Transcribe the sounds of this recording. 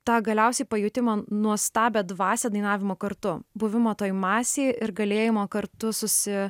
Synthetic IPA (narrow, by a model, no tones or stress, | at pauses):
t̪ɑːɡɐlʲɛʊsʲɛɪpɐjʊt̪ʲɪmɑnuɔst̪ɑːbʲeːd̪ʋɑːsʲɛːd̪ɐɪnɑːʋʲɪmoːkɐɾt̪ʊbʊʋʲɪmoːt̪oːjmɑːsʲeːɪɾɡɐlʲeːjɪmoːkɐɾt̪ʊsʊsʲɪ